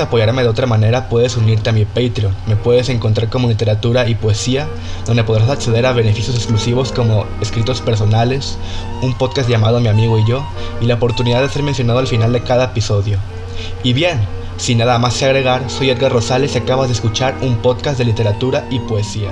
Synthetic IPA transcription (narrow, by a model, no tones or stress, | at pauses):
eapo̞ʝaɾme̞ðeo̞t̪ɾamane̞ɾapwe̞ðe̞suniɾt̪e̞amipejt̪ɾio̞nme̞pwe̞ðe̞se̞ŋko̞nt̪̬ɾaɾko̞mo̞lit̪e̞ɾat̪uɾaipoesia | d̪ond̪epo̞ð̞ɾasakse̞ð̞e̞ɾaβ̞e̞ne̞fisjoseksklusiβo̞sko̞mo̞eskɾit̪o̞spe̞ɾs̬o̞nale̞s | umpo̞ðkasʝamað̞o̞amiamiɣo̞iʝo̞ | ilaopo̞ɾt̪uniðaðese̞ɾmensjonaðo̞alfinald̪e̞kaðaepiso̞ðjo̞ | iβje̞n | sinaðamasseaɣ̞ɾeɣ̞aɾso̞jet̪ɣaro̞sale̞sakaβazðeskut͡ʃaɾumpo̞ðkasd̪e̞lit̪e̞ɾat̪uɾaipoesia̰